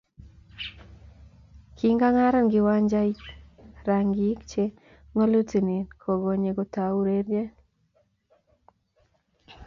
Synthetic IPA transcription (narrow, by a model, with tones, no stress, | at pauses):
ki˦ŋɡa˦ŋa˦ɾɔ˦nɡɪ˨wa˦ɲd͡ʒa˦i˦ɾa˨ŋɡi˦kt͡ʃe˦ | ŋo˦lu˦ti˨ni˨nkʰɔ˨ɡɔ˨ɲe˨ɡɔ˨ta˨u˦ɾe˦ɾje˦